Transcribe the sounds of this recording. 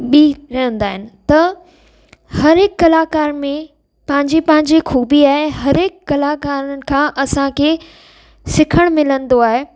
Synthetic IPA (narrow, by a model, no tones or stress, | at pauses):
ɓiɾɐɦə̃nd̪aːɦɪnɪ̆t̪ɐ | hɐɾɪkːɐlaːkaːɾmẽ | pɐ̃ɦɪ̃ɲd͡ʑepɐ̃ɦɪ̃ɲd͡ʑexuːbiaːɦeɦɐɾɪkːɐlaːkaːɾənɪ̆kʰãːʔɐsãkʰe | sɪkʰəɽ̃mɪlə̃nd̪oaːɦeː